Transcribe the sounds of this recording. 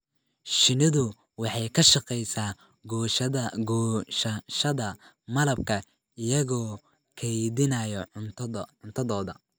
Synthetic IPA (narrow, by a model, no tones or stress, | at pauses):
ʃɪnɪðʊ | wɑħɑjkʰɐʃɑqɛjsaː | ɡ | ʃɐʃɐðɐ | mɐlɐb̚kʰɐ | ɪjɐɣɔː | kʰɛjðɪnɐjɔ | ʕʊnt̪ʰɐðɔːðɐ